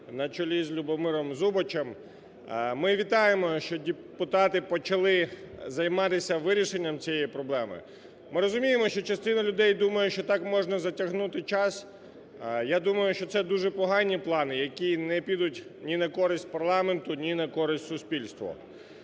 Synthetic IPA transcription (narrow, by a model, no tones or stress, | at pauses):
nɐt͡ʃɔlʲizlʲʊbɔmɪɾɔmzubɔt͡ʃem | mɪʋʲit̪ɑjemɔʃt͡ʃɔdʲe | pʊt̪ɑt̪ɪpɔt͡ʃɐlˠɪzɐjmɑt̪ɪsʲɐʋɪɾʲiʃenʲːɐmt͡sʲijɛjipɾɔblˠɛmɪ̰ | mɪɾɔzʊmʲijemɔʃt͡ʃɔt͡ʃɐst̪ɪnɐlʲʊd̪ɛjd̪umɐjɛʃt͡ʃɔt̪ɑkmɔʒnɐzɐtʲɐɦnut̪ɪt͡ʃɑs | jad̪umɐjʊʃt͡ʃɔt̪sɛd̪uʒɛpɔɦɑnʲːiplˠɑnɪjɐkʲinɛpʲid̪ʊtʲnʲinɐkɔɾɪsʲtʲpɐrlˠɑment̪ʊnʲinɐkɔɾɪsʲtʲsʊspʲilʲst̪ʋɐ̰